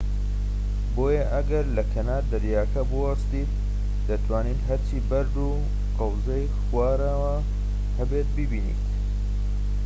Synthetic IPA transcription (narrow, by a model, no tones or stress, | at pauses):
boːjɐʔɐɡɐɾlɐkʰɐnaːd̪ɐɾjaːkɐbuɐst̪iːt̪̚ | d̪̥ɐt̪ʰwaːniːt̪ɦɐɾt͡ʃʰiːbɐɾd̪u | qɐwzɐjxwaːɾawa | hɐbet̪̚bibiːnḭt̪